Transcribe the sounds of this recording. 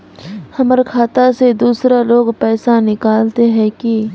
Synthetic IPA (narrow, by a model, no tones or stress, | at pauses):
hɐməɾkʰaːt̪ased̪uːsɾaloːɡpɛːsanɪkaːlt̪eɦɛ̃ki